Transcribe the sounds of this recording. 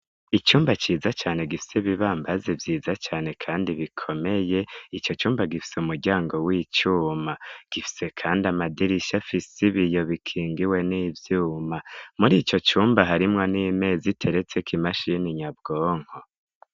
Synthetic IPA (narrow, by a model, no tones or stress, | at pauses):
it͡ʃuːmbat͡ʃiːzat͡ʃaːne̞ɡifi̥seβiβaːmbazevjiːzat͡ʃaːne̞kʰaːndiβikʰo̞me̞je̞it͡ʃo̞t͡ʃuːmbaɡifi̥seumuɾɡɟaːŋɡo̞wit͡ʃuːmaɡ̥ifi̥se̞kʰaːndiamadiɾiʃafisiβijo̞βikʰiːŋɡiwe̞niːvjuːmamuɾiːt͡ʃo̞t͡ʃuːmbaɦaɾimŋo̞niːme̞ːzitʰe̞ɾe̞t͡se̞kʰimaʃiniɲab̚ɡo̞ːŋ̥ho